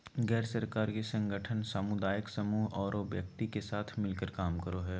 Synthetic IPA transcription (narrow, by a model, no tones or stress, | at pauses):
ɡɛːɾsəɾkaːɾkisə̃ŋɡəʈʰənsəmʊd̪aːjəksɐmuːɦɔːɾobjək̚t̪ikesaːt̪ʰmɪlkəɾkaːmkəɾoɦɛː